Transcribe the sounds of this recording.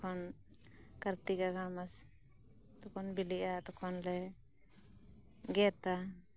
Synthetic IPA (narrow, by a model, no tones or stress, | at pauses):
kʰɔn | kaɾt̪iɡaɡamas | t̪ɔkʰɔnbiliʔat̪ɔkʰɔnlɛ | ɡɛt̪a